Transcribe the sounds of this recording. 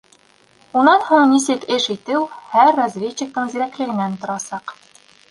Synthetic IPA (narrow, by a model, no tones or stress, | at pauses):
unɑnhuɴnisɘkɘʃit̪ɘwhæɾːazvʲet͡ɕːɘ̆k̚t̪ɤɴzĭɾæklɘ̆ɡɘ̆nænt̪ŏɾɑsɑq